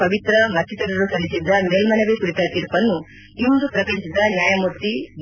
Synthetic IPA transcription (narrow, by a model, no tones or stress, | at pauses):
ɐʋit̪ɾɐmɐt̪ʰːit̪ɐɾɐɾusɐlisid̪ːɐmeːlmɐnɐʋekuɾit̪ɐt̪iɾpɐnːu | innd̪upɾɐkɐɲsid̪ɐnjaːjɐmuɾt̪ːi